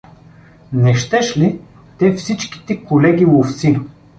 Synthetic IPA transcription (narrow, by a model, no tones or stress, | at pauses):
nɛʃt̪ɛʃli | t̪ɛfsit͡ʃki̥t̪ɛkolɛɡʲivoft̪sinə